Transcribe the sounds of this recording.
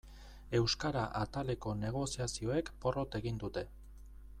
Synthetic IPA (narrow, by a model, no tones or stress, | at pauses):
e̞wskaɾaʔat̪ale̞ko̞ne̞ɣ̞o̞siasio̞e̞kpo̞ro̞t̪e̞ɣind̪ut̪e̞